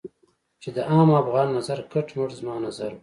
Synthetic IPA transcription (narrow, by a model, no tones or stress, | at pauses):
t͡ʃed̪əʔɑːmafɣɑːnːazaɾkaʈmʊɽzmɑːnazaɾ